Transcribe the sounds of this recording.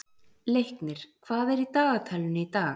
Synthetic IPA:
lejhknɪɾ̥kʰv̥aːðɛɾit̪aːɣat̪ʰajlʏnʏit̪aːɣ

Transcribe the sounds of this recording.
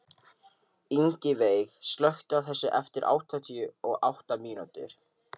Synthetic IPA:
iɲcɪveːjxst̪lœxt̪ʏaθɛsːɪʔɛft̪ɪɾʔa̰wht̪ʰat̪ʰiʏɔɣawht̪amiːnut̪ɪ̰ɾ̥

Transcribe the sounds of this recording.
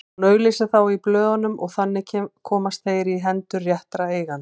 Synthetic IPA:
nœːɥlɪsaθawiplœːðanʏmɔɣθanːɪcʰɛkʰɔːmast̪θejɾiɦɛnt̪ʏrjaht̪ɾaeːjɣan

